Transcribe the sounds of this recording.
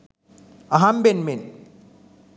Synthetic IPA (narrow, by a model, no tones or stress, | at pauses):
ɐɦambenmen